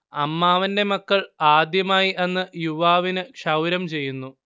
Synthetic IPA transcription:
ɐmːaːʋɐnde̞mɐkːɐɭaːd̪jɐmaːjiʔenːɨjuʋaːʋinɨkʂɐwɾɐmt͡ɕe̞jːunːu

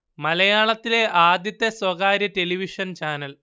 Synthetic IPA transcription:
mɐlɐjaːɭɐt̪ːile̞ʔaːd̪jɐt̪ːeswɐɣaːɾjɐte̞liʋiʂɐnt͡ɕaːnɐl

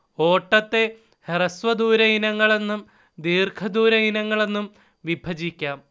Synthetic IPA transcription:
o̞ːʈːɐt̪ːe̞ | herɐsʋɐd̪uːɾɐinɐŋːɐɭe̞nːum | d̪iːrkʰɐd̪uːɾɐinɐŋːɐɭe̞nːum | ʋibʱɐd͡ʑikʲːaːm

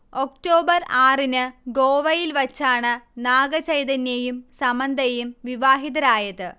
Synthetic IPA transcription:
ok̚ʈo̞ːbɐraːrinɨɡoːʋɐjilʋɐt͡ɕːaːɳɨnaːɡɐt͡ɕɐjd̪ɐnjɐjumsɐmɐnd̪ʱɐjumʋiʋaːɦiðɐɾaːjɐðɨ

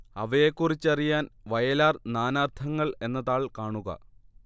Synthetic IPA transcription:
ɐʋɐjekːurit͡ɕːɐrijaːnʋɐjɐlaːrnaːnaːrt̪ʰɐŋːɐɭe̞nːɐðaːɭkaːɳuɣɐ̰

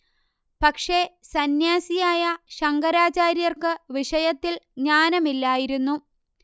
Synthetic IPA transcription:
pɐkʂe̞sɐnjaːsijaːjɐɕɐŋɡɐɾaːt͡ɕaːɾjɐrkɨʋiʂɐjɐt̪ːilɲaːnɐmilːaːjiɾunːu

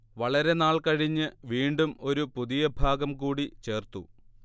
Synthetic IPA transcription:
ʋɐɭɐɾe̞naːɭkɐɻiɲːɨʋiːɳɖumo̞ɾupuðijɐbʱaːɡɐmkuːɽit͡ɕe̞ːrt̪u

